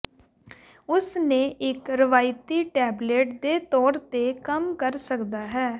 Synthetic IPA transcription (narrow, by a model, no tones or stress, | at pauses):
ʊsnẽːʔɪkɾəʋaːɪt̪iːʈɛːbleːʈd̪eːt̪ɔːɾt̪eːkəmkəɾsəkd̪aːɦɛː